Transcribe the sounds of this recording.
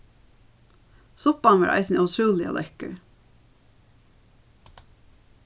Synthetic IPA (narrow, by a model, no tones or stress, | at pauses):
sʊpɑnʋɑ̰ːɹʔɑ̰ɪsnɑʉt̪ʰɾuːlɪo̰lɛkə̰ɹ